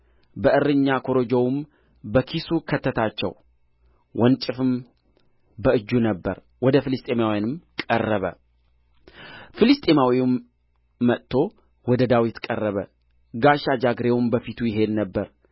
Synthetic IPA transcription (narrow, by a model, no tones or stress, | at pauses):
bəʔɨrːɨɲːakʰo̞ɾod͡ʒowum | bəkʰisukʰət̪ʰːət̪ʰat͡ʃːɛ̰w | wɔnt͡ʃʼɪfɨm | bəɨd͡ʒːunəbːə̰ɾ | wɔd̪əfɨlɨst̪ʼe̞mawjanɨmkʼərːəβə̰ | fɨlɨst̪ʼemawimː | ət̪ʰːo̞ | wɔd̪əd̪awit̪kʼərːəβə | ɡaʃad͡ʒaɡɾe̞wʊmbəfit̪ʰujɪɦe̞nnəbːəɾ